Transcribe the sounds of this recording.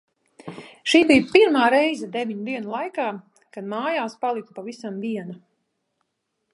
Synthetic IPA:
ʃiːbijpiɾmaːɾɛjzɛd̪ɛviɲud̪iɛnulˠajkaː | kad̪maːjaːspalˠik̪̚upavisamviɛna

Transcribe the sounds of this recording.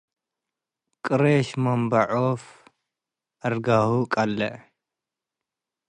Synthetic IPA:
kʼɨɾeʃmɐmbɐʕof | ʔɐɾɡahukʼɐlːɐ

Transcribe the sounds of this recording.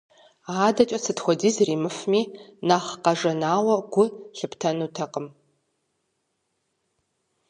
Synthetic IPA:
aːdɐt͡ʃʼɐsɨtxʷɔdiːzriːmɨfmiːnaːχqɐʐɐnaːwɐɡʷʊɬɨptʰɐnuːtʰɐqəm

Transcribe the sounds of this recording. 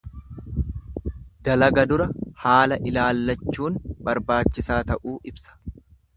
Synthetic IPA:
d̪̥ɐlɐɡɐd̪ʊɾɐhaːlɐʔɪlaːlːɐt͡ʃːuːnbɐɾbaːt͡ʃːɪsaːt̪ɐʔuːʔɪbsɐ̥

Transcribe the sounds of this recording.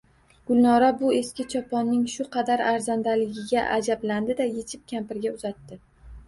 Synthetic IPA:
ɡ̥ʊlnɒɾabʊe̞skʲɪt͡ʃʰɒpʰɒnːɪŋʃʊqʰɑd̪aɾaɾzand̪alɪɡʲɪɡʲaʔad͡ʒabland̪ɪd̪aje̞t͡ʃʰɪp̚kʲʰampɪɾɡʲaʊzat̪ːɪ

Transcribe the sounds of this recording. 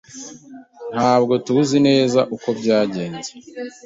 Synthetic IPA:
n̥haːbɡo̞tuuzine̞ːzaʔuko̞bɟaːɟe̞ːnze̥

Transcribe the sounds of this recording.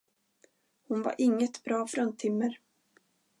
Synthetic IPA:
hʊnva̰ɾʔɪŋːət̪bɾɑːfɾœnt̪ʰɪmːəɾ

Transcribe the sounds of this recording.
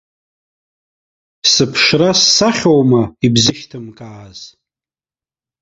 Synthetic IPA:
sɨpʰʂrasːaχʲowmaibzɨʃtʰɨmkʼaːz̥

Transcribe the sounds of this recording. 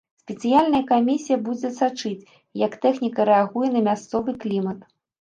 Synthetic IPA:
sʲpʲɛt̪sɨjalʲnɐjɐkamʲisʲijɐbud͡zʲɛsat͡ʂɨt͡sʲ | jɐkt̪ɛxnʲikɐɾɛaɣujɛnɐmʲast̪sɔvɨklʲimɐt̪

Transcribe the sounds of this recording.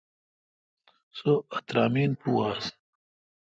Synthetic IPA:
soɐt̪ɾaːmiːnpuːaːs

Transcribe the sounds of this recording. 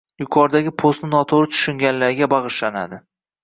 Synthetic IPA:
jʊkʰɒɾd̪aɡʲɪpʰost̪nɪnɒt̪ʰoɾɪt̪ʰʊ̥ʃɪŋɡʲanlaɾɡʲabɑʁɨʃlana̰d̪ɪ

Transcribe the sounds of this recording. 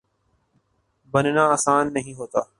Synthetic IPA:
bənnãːaːsaːnːəɦĩːɦoːt̪aː

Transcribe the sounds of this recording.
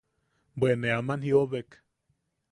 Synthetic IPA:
bweneamanhioβek

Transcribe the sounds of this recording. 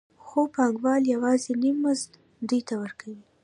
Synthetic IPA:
xopɑŋɡwɑljawɑzenimːʊzd̪ | d̪ujt̪awəɾkʰawi

